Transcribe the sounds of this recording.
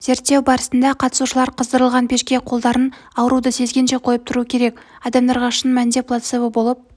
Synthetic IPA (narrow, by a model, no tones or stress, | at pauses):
z̥e̞ɾt̪ːe̞wbɑɾəsənd̪ɑqʰɑt̪ə̥suʃəlˠɑɾqʰəzd̪əɾəlˠʁɑnpʰʲe̞ʃkʲe̞qʰo̞lˠd̪ɑɾən | ɑwəɾud̪əse̞zɡʲe̞nʃe̞qʰo̞jəp̚t̪ʰʊɾuəkʲʰe̞ɾe̞kɑd̪ɑmd̪ɑɾʁɑʃənmænd̪e̞plˠat̪sevəbo̞lˠəp̚